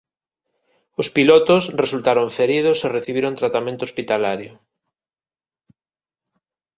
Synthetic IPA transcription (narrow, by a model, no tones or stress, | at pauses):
ʊspilɔt̪ʊsresult̪aɾoɱfeɾið̞ʊsereθiβ̞iɾoŋt̪ɾat̪amẽnt̪ʊospit̪alaɾjʊ